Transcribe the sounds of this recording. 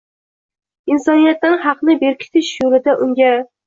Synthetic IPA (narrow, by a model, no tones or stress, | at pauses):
ɪnsɒnijat̪̚ːanhɑqnɪbe̞ɾkʲʰɪ̥t̪ʰɪʃjolɪd̪aʔʊŋɡʲa